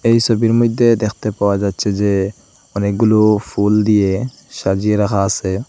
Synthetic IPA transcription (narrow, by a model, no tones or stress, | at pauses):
ejsɔbiɾmujd̪ːed̪ɛkʰt̪epawad͡ʒatt͡ʃʰed͡ʒe | ɔnek̚ɡulupʰuld̪ije | ʃad͡ʒiɾakʰasɛ